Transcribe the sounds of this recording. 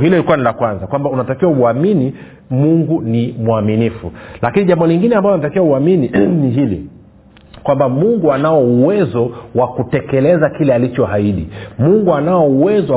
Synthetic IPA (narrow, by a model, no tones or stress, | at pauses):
hiliilikuwanilakwanzakwambaunatakiwauamini | muŋɡunimuaminifulakiniʄambɔliŋɡinɛambaɔnatakiwauamininiɦilḭ | kwambamuŋɡuanaɔuwɛzɔwakutɛkɛlɛzakilɛalit͡ʃɔɦaiɗimuŋɡuanaɔuwɛzɔ